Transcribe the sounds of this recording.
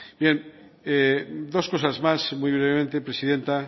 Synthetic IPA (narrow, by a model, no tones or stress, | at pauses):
bjeŋed̪oskosazmasmujβ̞ɾeβ̞emẽnt̪epɾesiðent̪a